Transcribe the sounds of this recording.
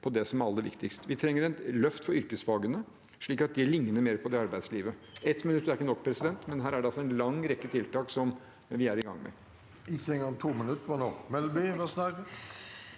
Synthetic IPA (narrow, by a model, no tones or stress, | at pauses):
pʰɔd̪ɛsɔmæɾɑlːəd̪ɛʋɪ̰kt̪ɪkst̪ʋɪt̪ʰɾɛŋːəɾɛnlœft̪fɔɾʏɾkəsfɑːɡənə | ʂɭiːkɑt̪̚d̪ɪlɪŋnəɾmeːɾpʰɔd̪ɛɑɾbæɪd̪sliːʋəɛt̪ːmɪnʉt̪ːæɾɪkːənɔkːpʰɾɛsɪd̪ɛnt̪mɛnɦæːɾæɖɛɑlsɔɛnlɑŋɾɛkːət̪ʰɪlt̪ɑːksɔm | ʋɪæɾɪɡɑ̰ŋːmɛ̰ | ɪçəɛŋɡɑŋt̪ʰuːmənʉt̪ʋɑnoːmɛlbyʋɛsnæɾə